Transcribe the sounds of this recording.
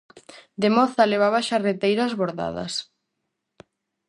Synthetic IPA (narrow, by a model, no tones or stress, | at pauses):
d̪emɔθɐleβ̞aβaʃaret̪ejɾazβoɾða̰ðɐ̰s